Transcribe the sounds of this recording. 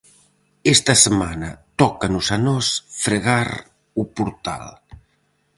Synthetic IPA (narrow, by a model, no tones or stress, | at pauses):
est̪əsəmanət̪ɔkanuzanɔsfɾəɣaɾ | upuɾt̪a̰lˠ